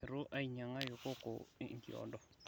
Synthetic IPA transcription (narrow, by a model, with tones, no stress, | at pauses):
ɾʊ˦ʔa˦i˨ɲa˨ŋa˦jo˨ko˦ko̰˨˦ŋ̩˦kḭ˨ɔ̰˨dɔ˨